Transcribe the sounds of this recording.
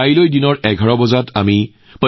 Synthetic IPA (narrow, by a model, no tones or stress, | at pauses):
ailojdinɔɹʔɛɡʱɔɹɔbɔzatʰami | pə